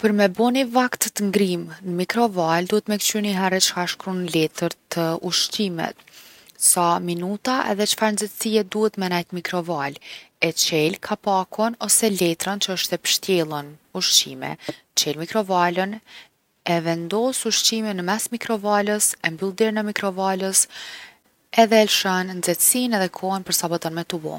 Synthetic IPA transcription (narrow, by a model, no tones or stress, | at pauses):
pəɾmɛbɔnivakt̪ət̪ŋɡɾimnəmikɾɔvald̪uhɛt̪mɛkt͡ʃyniɦɛɾɛt͡ʃə̥haʃkɾunlɛt̪əɾt̪ʰəuʃt͡ʃimɛ̰t̪̚saminut̪aʔɛ̰ðɛt͡ʃə̥faɾnzət̪siɛd̪uhɛt̪mɛnajt̪mikɾɔvalɛt͡ʃɛlkʰapakʰɔnɔsɛlɛt̪ɾant͡ʃəəʃt̪ɛpə̥ʃt̪jɛlˠənuʃt͡ʃimɛ̰ | t͡ʃɛlmikɾɔvalən | ɛvɛnd̪ɔsuʃt͡ʃimɛnəmɛsmikɾɔvaləsɛmbylˠd̪ɛɾnɛmikɾɔvaləs | ɛðɛlʃannd͡zɛt̪sinɛðɛkʰɔɦɛnpəɾsabɔt̪ənmɛt̪ubɔ̰n